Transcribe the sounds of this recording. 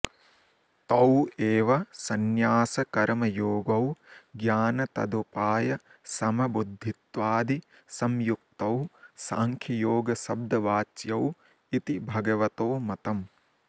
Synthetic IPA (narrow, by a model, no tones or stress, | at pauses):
t̪ɐweːʋɐsɐnjaːsɐkɐɾmɐjoːɡɐwɡjaːnɐt̪ɐ̰d̪upaːjɐ | sɐmɐbud̪ʱːit̪ʋaːd̪i | sɐmjuk̚t̪ɐwsaːŋkʰjɐjoːɡɐsɐb̚d̪ɐʋaːt͡ʃjɐw | it̪ibʱɐɡɐʋɐt̪oːmɐt̪ɐm